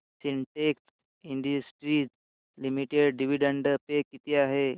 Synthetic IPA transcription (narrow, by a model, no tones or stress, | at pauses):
sinʈeks | iɳɖisʈɾit | limiʈeɽɖiʋiɖəɳɖəpekːit̪iaɦe